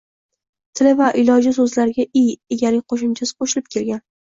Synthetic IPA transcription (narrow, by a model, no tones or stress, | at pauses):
t̪ʰɪlɪvaʔɪlɒd͡ʒɪs̬ɵzlaɾɪɡʲaʔijeɡʲalɪqʰoʃ̬ɪmt͡ʃʰasɪ̥qʰoʃɪlɪp̚kʲʰe̞lɡʲan